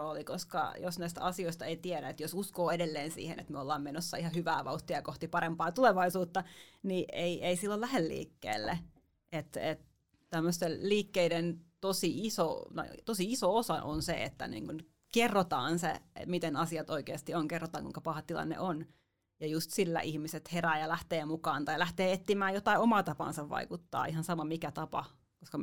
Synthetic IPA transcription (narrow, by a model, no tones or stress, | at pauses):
oːlikoskɑ̰josnæist̪æ̰ɑsioist̪ɑeit̪ieɾæet̪josuskoːedelːeːnsḭːhḛnḛt̪myøolːɑːmmenosːɑihɑhyʋæːʋɑuht̪iɑjɑkoht̪ipɑɾempɑːt̪uleʋɑisuːt̪ːɑniʔeiʔeisilːolæhelːḭːkːḛːlːe | ʔet̪ḛt̪ | t̪æmːøst̪elliːkːeident̪osiiso̰t̪ɑ̰it̪osiisoosɑ̰ʔo̰nsḛḛt̪ːæ̰nḭːŋkun | kerːot̪ɑ̰ːnsḛmit̪enɑsiɑt̪oikeːst̪ioŋkerːot̪ɑːŋkuiŋkɑpɑhɑtt̪ilɑ̰nːḛʔon | jɑjust̪silːæ̰ʔihmiset̪heræːjɑlæht̪eːmukɑːnt̪ɑilæht̪eːet̪ːimæːjot̪ɑiomɑːt̪ɑpɑ̰ːnsɑʋʋɑ̰ikut̪ːɑ̰ːihɑnsɑmɑmikæt̪ɑpɑ̰ | koskɑ